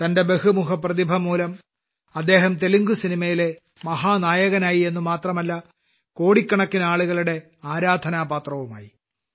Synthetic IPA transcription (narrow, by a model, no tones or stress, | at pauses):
t̪ɐnde̞be̞ɦumuɦɐprɐðibʱɐmuːlɐm | ɐd̪ːe̞ːɦɐmt̪eluŋɡusinimɐjile̞ | mɐɦaːnaːjɐɣɐnaːjie̞nːumaːt̪rɐmɐlːɐ | ko̞ːɽikːɐɳɐkːinaːɭuɣɐɭuɽe̞ | aːɾaːd̪ʱɐnaːbaːt̪rɐʋuma̰ːji